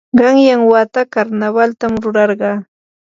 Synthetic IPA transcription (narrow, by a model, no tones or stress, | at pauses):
ɢɑŋjaŋwat̪akaɾnaβalt̪amɾʊɾɑɾɢɑː